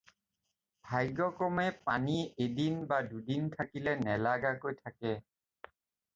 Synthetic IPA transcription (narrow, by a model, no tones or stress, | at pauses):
bʱajɡɔkɔmɛpaniedinbadudintʰakilɛnɛlaɡakojtʰakɛ